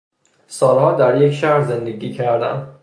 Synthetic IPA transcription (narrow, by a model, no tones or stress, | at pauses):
sɒːlhɒːd̪æɾjecʃæhɾze̞nd̪eɡiːcʰæɾd̪æn